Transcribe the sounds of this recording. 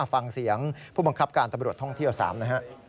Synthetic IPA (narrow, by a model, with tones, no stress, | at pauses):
fa˧ŋsi˩˦əŋpʰuː˥˩ba˧ŋkʰa˦˥p̚kaː˧nt̪a˧mɾu˨˩ət̪ːʰɔ˥˩ŋt̪ʰi˥˩wsa̰ː˩˦mna˦˥kʰa˦˥ʔ